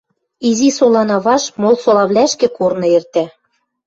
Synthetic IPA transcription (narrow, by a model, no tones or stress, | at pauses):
izisolɑnɑβɑʃmolˠsolɑβlæʃkĕkornɤ̆ert̪æ